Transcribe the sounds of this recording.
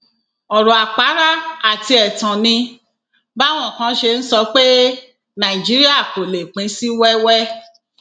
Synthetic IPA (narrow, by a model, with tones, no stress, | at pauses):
ɔ˨ɾɔ˨a˨k͡pa˨˦ɾa˦a˦˨ti˧ɛ˨tã˨nĩ˧ | ba˦w̃ɔ̃˦˨kã˧˦ʃe˧n̩˦sɔ˧˦k͡pe˦ | nã˨i˨d͡ʒi˨˦ɾi˦a˦˨ko˨le˨k͡pĩ˨˦si˦wɛ˦wɛ˦